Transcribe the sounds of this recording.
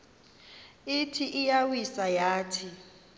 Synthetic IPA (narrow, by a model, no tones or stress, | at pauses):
itʰiʔijawisajaːtʰi